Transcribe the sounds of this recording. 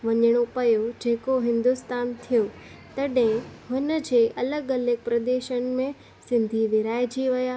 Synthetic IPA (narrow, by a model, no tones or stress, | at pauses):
ʋɐɲəɽ̃opɐjod͡ʑeːkoɦɪ̃nd̪ʊst̪aːnt̪ʰijo | t̪ɐɗɦɪ̃ɦʊnə̆d͡ʑeːʔɐləɡɐləɡ̚pɾɐd̪eːʃənɪ̆mẽ | sɪ̃nd̪ʱiʋɪɾaːɪd͡ʑiʋɐjaː